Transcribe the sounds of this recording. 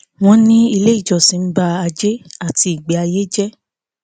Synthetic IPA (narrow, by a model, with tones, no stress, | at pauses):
w̃ɔ̃˦nĩ˦i˧le˦i˦˨d͡ʒɔ˨sĩ˨˦n̩˦ba˦a˧d͡ʒe˦a˦˨ti˧˦i˦˨ɡ͡be˨˦a˧je˦d͡ʒɛ˦